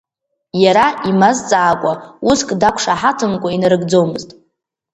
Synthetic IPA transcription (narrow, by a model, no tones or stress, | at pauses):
jaɾaimazt͡sʼaːkʷʼauskʼdakʷʰʂaħatʰɨnkʷʼainaɾɨɡd͡zo̞wmɨztʼ